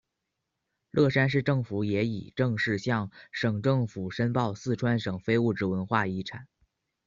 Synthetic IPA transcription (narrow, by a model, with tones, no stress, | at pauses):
lʔɤ˥˩ʂa˥nʂ̬ɻ̩˥˧ʈ͡ʂɤ˥˩ŋfu˧˥jɛ˧˥ḭ˨˩ʈ͡ʂɤ˥˧ŋʂɻ̩˥˧ɕjɑ˥˩ŋʂɤ˨˩ŋʈ͡ʂɤ˥˩ŋfu˨˩ʂə˥npɑ˥˧ʊsɹ̩˥˩ʈ͡ʂʰwa˥nʂɤ˨˩ŋfe˥ɪu˥˩ʈ͡ʂɻ̩˧˥wə˧˥nxwa˥˩i˥˩ʈ͡ʂʰa˨˩˦n